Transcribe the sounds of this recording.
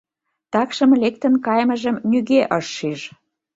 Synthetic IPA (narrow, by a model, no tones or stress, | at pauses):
t̪ɑkʃə̆mlek̚t̪ə̆nkɑjmə̆ʒə̆mnyɣeʔəʃːiʒ